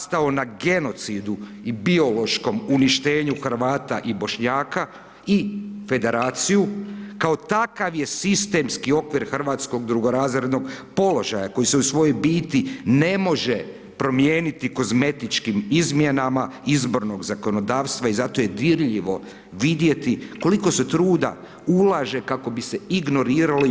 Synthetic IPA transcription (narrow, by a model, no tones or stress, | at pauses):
st̪aonaɡe̞no̞t̪sid̪u | ibio̞lo̞ʃko̞muniʃt̪e̞ːɲuxr̩ʋaːt̪aʔibo̞ʃɲaːka | ife̞d̪e̞ɾaːt̪sijukao̞t̪akaʋje̞sist̪e̞mskio̞kʋiɾxr̩ʋaːt̪sko̞ɡd̪ɾuɡo̞ɾaːzɾe̞d̪no̞ɡpo̞lo̞ʒajako̞jiseusʋo̞jo̞jbiːt̪ine̞mo̞ʒe | pɾo̞mjeːnit̪iko̞zme̞t̪it͡ʃkimizmjenamaizbo̞ɾno̞ɡzako̞no̞d̪aːʋst̪ʋaizat̪o̞je̞d̪iɾʎiʋo̞ | ʋid̪je̞t̪iko̞liko̞se̞t̪ɾuːd̪a̰ | ulaʒe̞kako̞bise̞iɡno̞ɾiːɾali